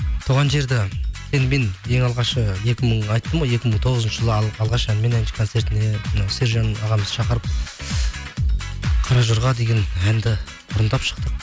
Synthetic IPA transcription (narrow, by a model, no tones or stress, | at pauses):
t̪ʰuoʁɑnʒe̞ɾd̪ɪsʰenme̞nje̞ŋɑlˠʁɑʃəje̞kʲɪməɴɑjt̪ːəmoje̞kʲɪməɴt̪ʰo̞ʁəzənʃəʒəlˠəɑlˠʁɑʃænme̞nænʃɪ̥kʰont̪se̞ɾt̪ɪne̞mnɑwse̞ɾʒɑnɑʁɑməzʃɑqəɾəp̚ | qʰɑɾɑʒʊɾʁɑd̪e̞ɡʲe̞nænd̪ɪ | bʊɾənd̪ɑpʃə̥q̚t̪əq̚